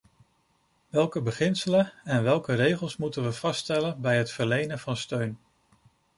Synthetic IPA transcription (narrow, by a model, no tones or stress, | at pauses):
ʋɛlˠkəbəχɪnsələɛnʋɛlˠkərejχəlˠsmutənʋəv̥ɑstɛlənbɛjɦətfəɹlejnənvɑnstøɥn